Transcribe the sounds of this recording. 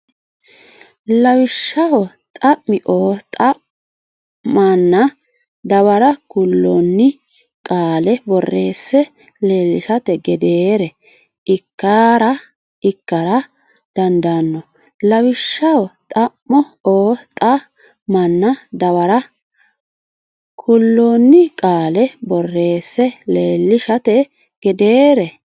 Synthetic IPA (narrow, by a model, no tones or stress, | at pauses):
lɐwɪʃːɐwɔ | t̪ʼɐʔmɪʔoːt̪ʼɐ | mɐnːɐ | d̪ɐwɐɾɐkʊlːonːɪ | kʼaːlɛbɔrːe̞ːsːɛ | leːlɪʃɐt̪ɛɡɛd̪eːɾɛ | ɪkːaːɾɐ | ɪkːɐɾɐ | d̪̥ɐnd̪anːɔ | lɐwɪʃːɐwt̪ʼɐmːɔ | oːt̪ʼɐ | mɐnːɐd̪ɐwɐɾɐ | kʰʊlːoːnːɪkʼaːlɛbɔrːe̞ːsːɛleːlːɪʃɐt̪ɛ | ɡ̥ɛd̪eːɾɛ